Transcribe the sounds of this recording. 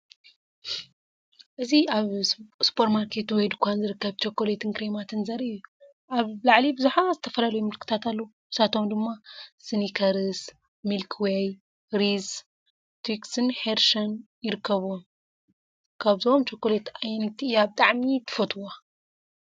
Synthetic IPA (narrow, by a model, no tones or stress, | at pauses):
ʔɨziaβsu̥pʰoɾmaɾkʰe̞t̪wɔjd̪ukʰʷːanzɨɾɨkːɐβt͡ʃokːolet̪ʰɨnkɾemat̪ʰɨnzɐɾɨju | ʔaβlaʕlibɨzuħazɨt̪ʰɐfɐlɐlɐjumɨlkʰɨ̥t̪ʰat̪alːɐuʔɨsat̪ʰo̞md̪ɨmːasɨnikʰɐɾɨs | milkʰwej | ɾiz | t̪ʰwiksɨnħeɾʃɐn | jɪɾɨkʰːɐβom | kʰaβzomt͡ʃokːolet̪ajnit̪ʰiɨjabɨt̪ʼaʕmit̪ʰɨ̥fɐt̪ʰwa